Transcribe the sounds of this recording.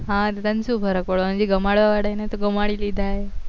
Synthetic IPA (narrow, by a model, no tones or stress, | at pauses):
ɦãt̪et̪ansubəɾəkʋəɭmənd͡ʑiɡəmaɽʋaʋaɽajnat̪oɡəmaɽilid̪ʱaje